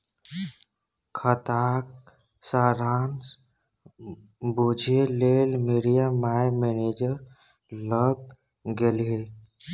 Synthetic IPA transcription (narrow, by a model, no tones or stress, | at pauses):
kʰət̪ak̚ | saɾans | bod͡ʒʱelelmiɾijamajmened͡ʒəɾ | ləɡ̚ | ɡelɦe